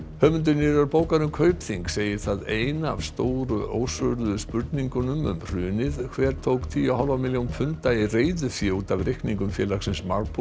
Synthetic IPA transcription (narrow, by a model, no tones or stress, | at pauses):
hœːmʏnt̪̬ʏnɪɾaɾpoːwkaɾʏmkʰœːɥpθiŋkseːjɪ̥θaðeːjna̰v̥st̪oːwɾʏʔoːwsœɾðʏspʏɾt̪niŋkʏnʏmʏ̰mr̥ʏːnɪð̥kʰvɛːɾ̥t̪ʰowkt̪ʰiahɔlvawmiljownpʰʏnt̪aireːjðʏfjɪut̪avrɪhkniŋkʏmfjɛ̰ːlaxsɪnsmaɾpʰ